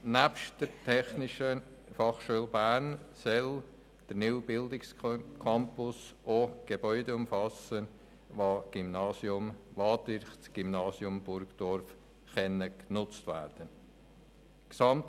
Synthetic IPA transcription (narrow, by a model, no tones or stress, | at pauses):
næpʃtd̥əɾtʰɛχnɪʃəfɑχʃuːlbæːɾnsɛl | d̥əɾnɪwbɪldɪkskʰɑmpʊsʔoɡ̥ebœʏdəʊmfɑsən | ʋɑːɡ̥ymnɑːsjʊmvɑːtɪɾχt͡sɡ̥imnɑːsjʊmbʊɾɡd̥ɔɾf | χɛnəknʊt͡stvæ̰ːɾd̥ən | ksɑmt